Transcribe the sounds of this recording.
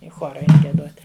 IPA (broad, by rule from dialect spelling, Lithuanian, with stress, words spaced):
ɪ ˈxoːrɐ ˈɛɪn ɡʲiɛˈdoːtʲ